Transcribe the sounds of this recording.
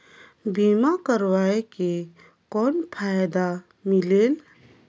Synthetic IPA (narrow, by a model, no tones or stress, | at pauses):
bimakəɾwaeke | kɔːnpʰajd̪a | mileːl